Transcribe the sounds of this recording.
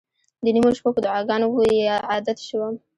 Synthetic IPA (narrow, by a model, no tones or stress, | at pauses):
d̪ənimoʃpakod̪ʊʕɑɡɑnowojeʕɑd̪at̪ʃəwam